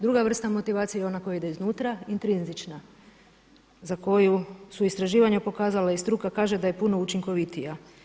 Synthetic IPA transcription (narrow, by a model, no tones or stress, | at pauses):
d̪ɾuɡaʋr̩st̪amo̞t̪iʋaːt̪sijajeo̞nako̞jaid̪eiznuːt̪ɾaint̪ɾinzit͡ʃna | zako̞jusuist̪ɾaʒiːʋaɲapo̞kaːzalaist̪ɾukakaːʒe̞d̪aje̞puno̞ut͡ʃiŋko̞ʋit̪ija